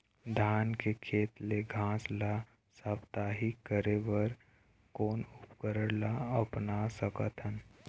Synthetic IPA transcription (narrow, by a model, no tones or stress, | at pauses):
d̪ʱaːnkekʰeːt̪leɡʱãːsla | səpt̪aːɦikəɾeʋəɾ | koːnʊpkəɾəɽlaəpnasəkət̪ʰən